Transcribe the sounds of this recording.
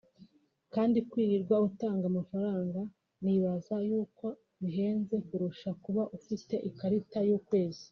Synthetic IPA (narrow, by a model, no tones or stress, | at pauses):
kaːndikwiːɾiɾɡwautaːŋɡamafaɾaːŋɡa | niːβazajuːko̞ | βiɦe̞ːnze̞kuɾuʃakuβaʔufite̞ʔikaɾitajuːkwe̞ːzi